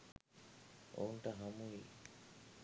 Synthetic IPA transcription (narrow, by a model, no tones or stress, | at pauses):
o̰nʈaɦamui